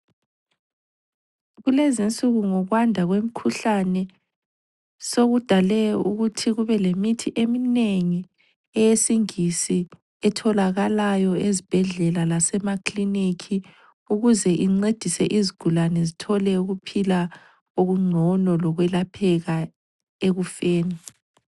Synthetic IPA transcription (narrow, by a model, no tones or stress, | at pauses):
ɣulezint͡sʼuɣuŋɔɣwandʱaɣwem̩kʰuɬanɛ | soɣud̥ʱalɛuɣutʰiɣuβɛlemitʰiʔemineŋi | ɛjesiŋisi | ɛtʰɔlaɣalajɔezib̥ʱɛɮɛlalasɛmakʰʼlinikʰi | uɣuzɛʔiŋ͡ǀed̥ʱisɛʔiziɡ̥ʱulanɛzitʰɔlɛuɣupʰila | oɣuŋ͡ǀʱɔnɔlɔɣwɛlapʰɛɣa | eɣufeːni